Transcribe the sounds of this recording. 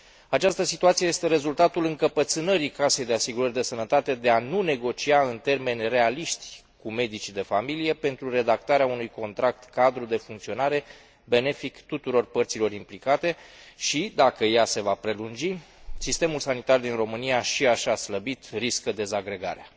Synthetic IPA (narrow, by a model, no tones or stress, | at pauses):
at͡ʃast̪əsit̪uat̪sijejest̪e̞ɾe̞zult̪at̪ulɨŋkəpət̪sɨnəɾikase̞jd̪easiɡuɾərʲd̪e̞sənət̪at̪e̞d̪e̞anune̞ɡo̞t͡ʃiaɨnt̪e̞rme̞nʲre̞aliʃt̪ʲ | kume̞d̪it͡ʃid̪e̞familije̞pe̞nt̪ɾure̞d̪ak̚t̪aɾeaunujko̞nt̪ɾak̚t̪kad̪ɾud̪e̞fuŋkt̪sio̞naɾe̞ | be̞ne̞fikt̪ut̪uɾo̞rpərt̪silo̞ɾimplikat̪e̞ | ʃid̪akəjase̞vapɾe̞lund͡ʒisist̪e̞mulsanit̪ard̪inro̞mɨnijaʃiaʃasləbit̪riskəd̪e̞zaɡɾe̞ɡa̰ɾea